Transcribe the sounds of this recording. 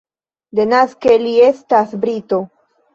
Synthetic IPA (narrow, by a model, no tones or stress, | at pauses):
d̪enaskelie̞st̪asbɾit̪o̞